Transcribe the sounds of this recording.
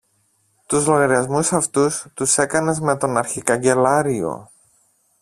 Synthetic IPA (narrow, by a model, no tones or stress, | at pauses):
t̪uzlo̞ɣɐɾiɐzmusɐft̪ust̪use̞kɐnɐzme̞t̪o̞nɐɾçikɐɲɟe̞lɐɾio̞̰